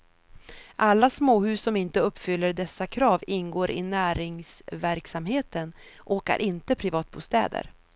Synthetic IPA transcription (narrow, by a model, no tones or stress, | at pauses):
ʔalːasmoːhʉ̟ːsːɔmɪnt̪əɵpːfʏlːəɖɛsːakʰɾɑːvɪnɡoːɾʔɪ̰næːɾɪŋsvæɾksamheːt̪ən | ʔoːka̰ɾʔɪnt̪əpʰɾɪvɑːt̪̚buːst̪ɛ̰ːd̪ə̰ɾ